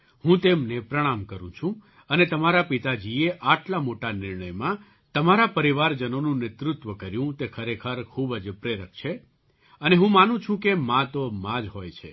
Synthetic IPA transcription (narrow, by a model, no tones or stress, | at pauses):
hũt̪emnepɾəɽ̃amkəɾṵ̃t͡ʃʰũ | ənet̪əmaɾapit̪ad͡ʒieʔaʈlamoʈanɪɾɳəjmã | t̪əmaɾapəɾiʋaɾd͡ʒənonũnɪt̪ɾʊt̪ʋəkəɾjũt̪ekʰəɾekʰəɾkʰubəd͡ʒpɾeɾək̚t͡ʃʰe | əneɦũmanũt͡ʃʰũkemãt̪omãd͡ʒɦojt͡ʃʰe